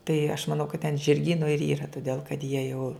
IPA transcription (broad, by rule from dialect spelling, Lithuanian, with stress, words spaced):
tɐɪ ɐʃ mɐˈnɐʊ kɐt tʲɛn ʒʲɪrʲˈɡʲiːnʊ ɪr iːrɐ tʊˈdʲeːlˠ kɐt jiɛ jɛʊ